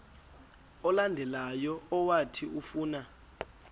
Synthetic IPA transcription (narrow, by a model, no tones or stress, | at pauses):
ɔlandʱɛlajɔɔwatʰiufuːna